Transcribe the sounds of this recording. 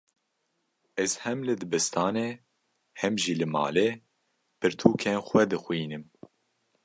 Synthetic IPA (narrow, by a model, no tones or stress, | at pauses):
ɛzhɛmlɨd̪ɨbɨst̪ʰɑːneː | hɛmʒiːlɨmɑ̰ːleː | pʰɨɾt̪ʰuːkʰenxʷɛd̪ɨxwiːnɨm